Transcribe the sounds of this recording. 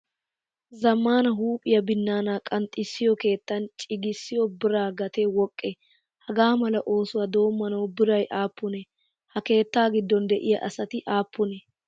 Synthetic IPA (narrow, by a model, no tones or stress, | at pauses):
zɐmːaːnɐɦuːpʼɪjɐbɪnːaːnaːkʼɐnt̪ʼːɪsːɪjɔke̞ːt̪ːɐnt͡ʃʼɪɡɪsːɪjɔbɪɾaːɡɐt̪ɛwɔkʼːɛ | hɐɡaːmɐlɐʔo̞ːsʊwɐd̪o̞ːmːɐnɐwbɪɾɐjʔaːpːʊnɛ | hɐke̞ːt̪ːaːɡɪd̪ːɔnd̪ɛʔɪjɐʔɐsɐt̪ɪʔaːpːʊnɛ